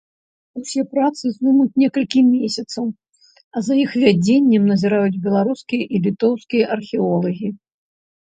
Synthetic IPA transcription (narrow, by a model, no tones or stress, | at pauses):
usʲɛpɾat̪sɨzd̪umut͡sʲnʲɛkɐlʲkʲimʲesʲɐt̪sɐw | ɐzɐjixvʲad͡zʲenʲːɛmnɐzʲiɾajud͡zʲbʲɛlˠaɾuskʲijɐʔilʲit̪ɔwskʲijɐʔɐrxʲɛɔlˠɐɣʲi